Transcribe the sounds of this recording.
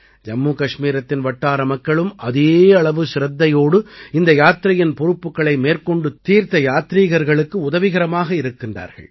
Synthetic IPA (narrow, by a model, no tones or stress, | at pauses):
d͡ʒɐmːuːkɐʂmiːɾɐt̪ːɪnʋɐʈːaːɾɐmɐkːɐɭɯmʔɐðeːɐɭɐʋɯsɪɾɐt̪ːɐjoːɽɯɪnd̪ɐjaːt̪ɪɾɐjɪnpɔɾɯpːɯkːɐɭɐɪmeːrkɔɳɖɯt̪ːiːɾt̪ɐjaːt̪ɾiːɣɐɾɣɐɭɯkːɯʊðɐʋɪɣɐɾɐmaːɣɐɪɾɯkːɪndra̰ːɾɣɐ̰ɭ